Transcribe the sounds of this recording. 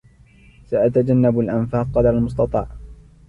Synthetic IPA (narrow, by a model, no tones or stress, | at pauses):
saʔat̪ad͡ʒanːabalʔanfaːq̚qɑd̪ɾˤalmʊs̬ˤt̪ɑt̪ˤɑ̰ːʕ